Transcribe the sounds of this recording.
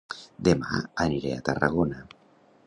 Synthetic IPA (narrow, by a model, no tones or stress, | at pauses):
d̪ema̰aniɾeat̪araɣ̞ona